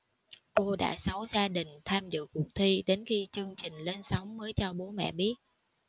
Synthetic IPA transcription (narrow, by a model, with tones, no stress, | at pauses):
ko˧ɗa̰ː˧˥sa˨˦wzaː˧ɗï˨˩ŋ̟t̪ʰaː˧mzɨ̰˧˨kʊ˨˩ək̚t̪ʰi˧ɗe˨˦nxi˧t͡ɕɨ˧əŋt͡ɕï˨˩ŋ̟le˧nsa˨˦wŋ͡mməː˨˦jt͡ɕɔ˧ɓo˨˦mɛ̰˧˨ɓi˦˥ət̚